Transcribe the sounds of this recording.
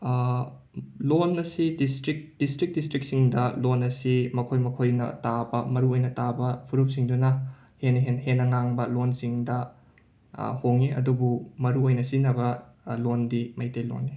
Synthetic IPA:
lonːɐsidistɾik̚d̥istɾik̚distɾik̚siŋdɐlonɐsimɐkʰojmɐkʰojnɐ̰tabɐmɐɾuojnɐtabɐpʰuɾup̚siŋdunɐ | henɐɦenhenːɐŋaŋbɐlonsiŋdɐ | hoŋeɐ̰dubumɐɾuojnɐsinɐβɐ | londimɐjtejlo̰nːe

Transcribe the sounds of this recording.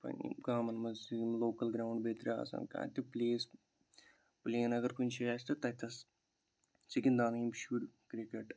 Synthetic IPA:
pɐ̰nḭɡaːmɐnmɐsimloːkɐlɡɾawɳɖbeːt̪ɾa̰ːsɐ̰nka̰ːt̪ipleːs | pleːnɐɡɐɾkunt͡ʃejaːst̪ɐt̪ɐt̪ɐs | siɡind̪aːnɐimʃuɖkɾikeʈ

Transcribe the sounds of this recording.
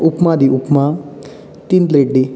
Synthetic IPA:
upmad̪iupma | t̪int̪leʈɖi

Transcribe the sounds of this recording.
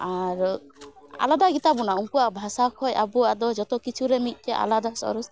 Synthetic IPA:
aɾ | a̰lad̪aɡit̪abɔnauŋkuabʱasakʰɔjabuad̪ɔd͡ʒɔt̪ɔkit͡ʃʰuɾɛmit̪̚ˀt̪ɛʔa̰lad̪asɔ̰ɾus

